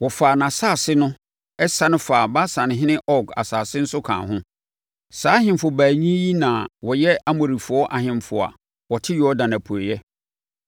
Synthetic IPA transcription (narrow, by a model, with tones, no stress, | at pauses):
wɔ˨faː˨nã˨saː˦˨sɪ˦nʊ̃˦ | ɛ˦sa˦nʊ̃˦faː˨ba˦sã˨nɪ̃˨ɦɪ̃˦nɪ̃˦ʔɔ˦ɡa̰˨saː˨sɪ˦n̩˦sʊ˦kʰã̰ː˨ɦʊ̃˦ | saː˨˦ɦɪ̃˨mfʊ˨bæː˨ɲĩ˦ji˦nã˨wɔ˨jɛ˦ʔa˦mõ˨ɾi˨fʊ˨ɔ˦ʔa˨ɦɪ̃˨mfʊ˨a̰˨ | wɔ˨tʰɪ˦jɔ˦dã˨nã˨pʰu˨e˨jɛ˦